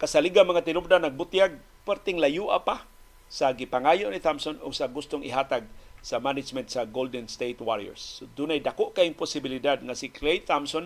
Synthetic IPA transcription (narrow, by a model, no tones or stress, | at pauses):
kasaliɡamaŋat̪ɪnʊp̚d̪anaɡ̚bʊt̪jaɡ̚ | paɾt̪ɪŋlajuʔa̰pa | saɡipaŋajʊʔniθamsonʊ̰ɡsaɡʊst̪ʊŋɪɦaːt̪aɡ̚samanɪd͡ʒmɛnt̪saɡold̪ɛnst̪ejt̪waɾiɛ̰ɹsod̪unajd̪akoʔkaɪŋpʊsɪbɪlid̪ad̪̚ŋasiklejt̪amson